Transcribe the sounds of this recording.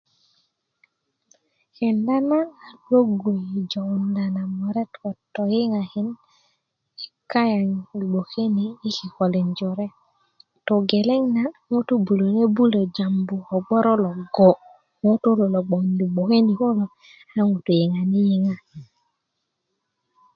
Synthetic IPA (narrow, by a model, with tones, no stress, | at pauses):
kɛ˨nda˦naː˦˨lo˦ɡo˨i˨d͡ʒo˨wu˨nda˨na˨mɔ˨ɾɛ˦tkɔ˨tɔ˨ji˦ŋa˨ki˦n | i˨ka˦ja˨ŋi˨ɡ͡bo˨ke˦niː˨˦ki˨kɔ˨le˨nd͡ʒɔ˨ɾe˦ | to˨ɡe˨le˦ŋna˨ŋo˦tu˦bu˨lo˨ne˦bu˦lo˨d͡ʒa˨mbu˨ɔ˨ɡ͡bɔ˦ɾo˦lɔ˨ɡɔ˨ | ŋo˦to˦lo˨lo˨ɡ͡bo˨ni˨ɡ͡bo˨ke˦ni˨ko˦lo˨ | a˦ŋu˨to˨ji˨ŋa˨ni˦ji˦ŋa˦˨i˨n